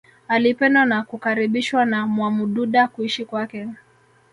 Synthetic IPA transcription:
alipɛndanakukaɾiɓiʃwanamwamuɗuɗakuiʃikwakɛ

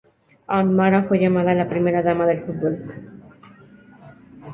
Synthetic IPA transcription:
anmaɾafwe̞ʝamað̞alapɾime̞ɾaðamaðe̞lfut̪̚bol

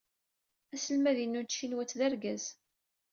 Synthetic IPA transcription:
æsəlmæðinːunt͡ʃːinwæt͡sːðæɾɡæz̥

